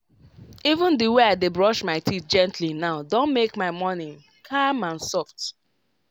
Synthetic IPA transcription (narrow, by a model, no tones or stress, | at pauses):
ivə̃ndiweaɪdebɹɔʃmaɪtʰit̚d͡ʒɛ̃ntʰlinaʊdõnmekmaɪmɔnɪ̃ŋ | kʰamãnsɔft